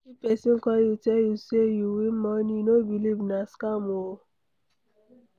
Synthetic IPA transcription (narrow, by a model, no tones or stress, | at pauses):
kipesĩŋ̩kɔjutɛjusejuwimɔ̃nĩnobilibnaskamoo